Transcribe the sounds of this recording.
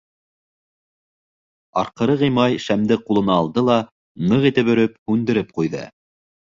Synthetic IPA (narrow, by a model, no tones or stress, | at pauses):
ɑ̰ɾqɤ̆ɾɤʁĭjmɑjʃæmd̪ɘqulˠɤ̆nɑːlˠd̪ɤlˠɑ | nɤʁit̪ɘpɵ̆ɾɘp̚hʉnd̪ɘ̆ɾɘp̚qujðɤ̰